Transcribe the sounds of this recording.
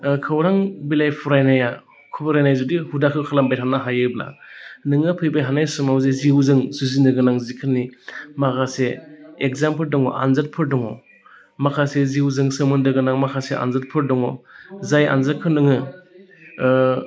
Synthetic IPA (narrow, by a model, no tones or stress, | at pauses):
kʰɯwɾaŋbilajpʰɔɾajnaja | kʰubɯɾajnajzudihudakʰːɯwkʰalambajtʰanaɦajɯbna̰nɯŋɯpʰɯjbajɦanajsɯmawzeziwzɯŋsuzindɯɡɯnaŋzikʰɯnːimaɡaseek̚zampɯldɔŋɔ̰ʔa̰nzat̚pʰɯɾdɔŋɔ | makʰaseziwzɯŋsɯmɯndɯɡɯnaŋmakʰasea̰nzat̚pʰɯɾdɔŋɔzaja̰nzakʰːɯnɯŋɯ